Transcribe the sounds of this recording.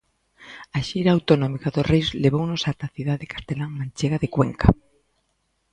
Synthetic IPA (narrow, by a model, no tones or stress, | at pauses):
aʃiɾaːwt̪onõmikaðosrejzleβ̞ownosat̪aθiðaðekḁst̪elaŋmãnt͡ʃeɣaðekweŋka